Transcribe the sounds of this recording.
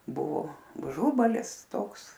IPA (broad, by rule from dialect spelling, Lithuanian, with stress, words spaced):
ˈbʊʋoː ʊˈʒʊbɐlʲɪs ˈtoːks